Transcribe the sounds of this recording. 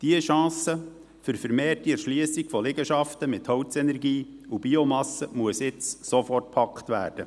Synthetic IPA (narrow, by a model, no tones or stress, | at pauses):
d̥iəʃɑ̃ːsə | fʏɾfəɾmeːrtiɛʃliəsiɡfɔlɪɡəʃɑft̪əmɪt̪hɔwtt͡sɛnɛɾɡiːubiomɑsəmuəsɪt͡ssɔfɔrt̚pʰɑkχt̪ʋæ̰ːrd̥ə